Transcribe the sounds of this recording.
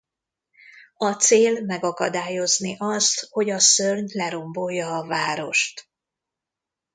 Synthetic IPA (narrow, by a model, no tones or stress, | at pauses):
ɒt̪seːlmɛɡɒkɒd̪aːjo̞zniʔɒst̪ho̞ɟɒsørɲlɛɾo̞mbo̞jːɒːvaːɾo̞ʃt̪